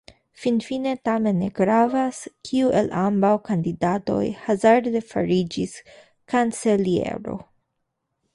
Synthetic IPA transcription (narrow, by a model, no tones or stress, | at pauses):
finfine̞t̪ame̞nːeɡɾavaskʰiuʔe̞lʔambawkand̪id̪at̪o̞̰jhazaɾd̪e̞fa̰ɾid͡ʒis | kant͡se̞liḛɾo̞̰